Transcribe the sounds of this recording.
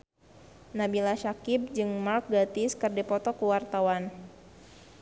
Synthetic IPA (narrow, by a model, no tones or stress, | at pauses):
nabilaʃakib̚d͡ʒɨŋmak̚ɡat̪ɪskərdɛpɔt̪ɔkuwart̪awan